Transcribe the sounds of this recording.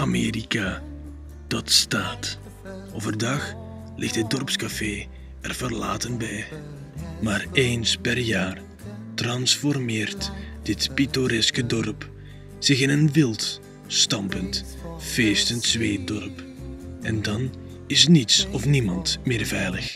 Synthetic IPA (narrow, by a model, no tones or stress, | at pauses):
ameːrika | d̥ɑtstaːt | ovərdɑx | lɪxtədɔrpskafeː | ɛrvərla̰ːtənbɛj | maːreːnspɛrjaːr | trɑnsfɔrmɪːrtd̥ɪtpitoɾɛskədɔrp | z̥ɪxɪnənʋɪlˠt | stɑmpənt | feːstəntz̥ʋeːt̚dɔrp | ɛndɑn | ɪsnitsɔfnimɑntmɪːrvɛjləx